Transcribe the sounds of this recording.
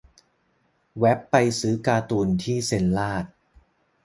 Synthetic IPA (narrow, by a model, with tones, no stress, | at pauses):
wɛ˦˥pːa˧jsɯː˦˥kaː˧t̪uː˧nt̪ʰiː˥˩se˧nlaː˥˩t̪̚